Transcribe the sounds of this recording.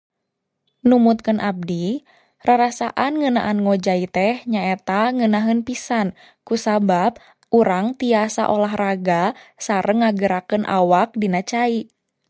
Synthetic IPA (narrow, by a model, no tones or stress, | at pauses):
numut̪̚kənʔab̚di | raɾasaʔanŋəna̰ʔanŋod͡ʒait̪ɛhɲaɛt̪aŋənaɦənpisan | kusabap̚ | ʔuɾaŋt̪iasa̰ʔolaɦraɡasaɾəŋːaɡəɾakənʔa̰wak̚dinat͡ʃai